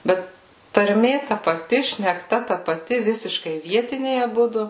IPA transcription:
ˈbʲɛt tɐrʲˈmʲeː tɐ pɐˈtʲɪ ʃʲnʲɛkˈtɐ tɐ pɐˈtʲɪ ˈʋʲɪsʲɪʃkɐɪ ˈʋʲiɛtʲɪnʲɛɪ ɐˈbʊdʊ

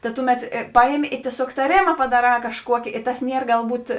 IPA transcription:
tɐ ˈtʊˌmʲɛt ˈpɑːjɛmʲɪ ɪ tʲiɛˈsʲoːk tɐˈrʲeːmɐ pɐdɐˈrɑː kɐʃˈkuɔkʲɪ ɪ tɐs ˈnʲiɛr ɡɐlˠˈbuːt

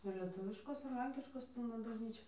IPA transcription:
ɪr lʲɛˈtʊʋʲɪʃkoːs ɪr ˈlʲɛŋʲkʲɪʃkoːs ˈpʲɪlˠnɐ bɐʒʲˈnʲiːt͡ʃʲɛ

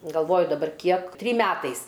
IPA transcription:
ɡɐlˠˈʋoːjʊ dɐˈbɐr ˈkʲiɛk ˈtʲrʲiːm ˈmʲæːtɐɪs

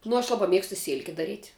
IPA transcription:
nʊ ɐʃ ˈlˠɑːbɐ ˈmʲiɛkstʊ ˈsʲeːlʲkʲɛ dɐˈrʲiːtʲ

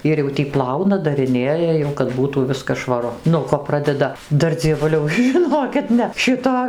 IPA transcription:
ˈɪr jɛʊ tʲiː ˈplˠɐʊnɐ dɐrʲɪˈnʲeːjɛ jɛʊ kɐt ˈbuːtuː ˈʋʲɪskɐs ʃʋɐˈrʊ nuɔ ˈkoː ˈprɑːdʲɛdɐ ˈdɐr d͡zʲiɛˈʋʊlʲɛʊ ʒʲɪˈnoːkʲɪt ˈnʲɛ ˈʃʲɪtoː

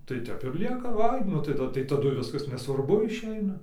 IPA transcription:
tɐɪ ˈtʲɛp ɪr ˈlʲiɛkɐ ˈʋɐɪ ˈnʊ tɐɪ tɐɪ tɐˈdʊ ˈʋʲɪskɐs nʲɛsʋɐrˈbʊ ɪʃʲˈɛɪnɐ

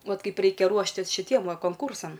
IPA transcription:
ˈʋɐt ˈkɐɪp ˈrʲɛɪkʲɛ ˈruɔʃʲtʲɪs ʃʲɪˈtʲiɛm ˈʋɐ koːŋˈkuːrsɐm

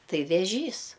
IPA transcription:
ˈtɐɪ ʋʲɛˈʒʲiːs

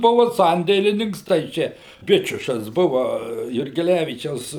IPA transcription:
ˈbʊʋʊ ˈsɐnʲdʲeːlʲɪnʲɪŋks tɐɪ ˈt͡ʃʲɛ ˈbʲɪt͡ʃʲʊʃɐs ˈbʊʋɐ jʊrʲɡʲɛˈlʲæʋʲiːt͡ʃʲɛʊs

